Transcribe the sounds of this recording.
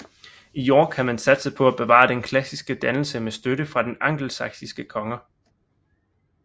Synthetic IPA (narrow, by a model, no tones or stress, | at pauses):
ijɒːɡ̥hæmænsæd̥səpʰɒ̽æb̥e̝ʋɑ̰̈ːd̥enkʰlæsisɡ̥əd̥ænl̩səmesd̥øɾəfʁɑ̈d̥enɑ̈ŋ̰ɡ̥l̩sɑ̈ɡ̥sisɡ̥əkʰɒ̽ŋɐ